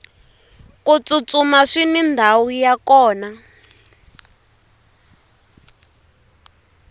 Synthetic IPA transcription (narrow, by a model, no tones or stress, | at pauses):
kut͡sut͡sumaʂinindʱawujakɔːna